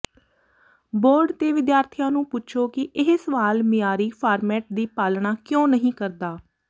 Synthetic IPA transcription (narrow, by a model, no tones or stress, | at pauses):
boːɾɖt̪eːʋɪd̪jaːɾt̪ʰijãːnũːpʊt͡ʃʰoːkɪʔɪɦsəʋaːlmɪjaːɾiːpʰaːɾmɛːʈ̚d̪iːpaːlɳaːkjõːnəɦĩːkəɾd̪aː